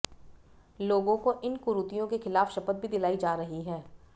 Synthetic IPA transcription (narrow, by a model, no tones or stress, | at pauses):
loːɡõkoʔɪnkʊɾut̪ijõkexɪlaːfʃɐpət̪̚bʱid̪ɪlaːid͡ʒaːɾɐɦiɦɛː